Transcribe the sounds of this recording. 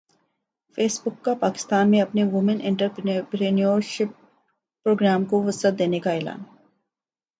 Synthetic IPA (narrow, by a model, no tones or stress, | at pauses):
feːsbʊkːapaːkɪ̥st̪aːnmẽɐpneʋʊmənʔɪ̃ɳʈəɾpɾeːnijoɾʃɪp̚ː | ɾoːɡɾaːmkoʋʊsət̪̚d̪eːnekaɛːla̰ːn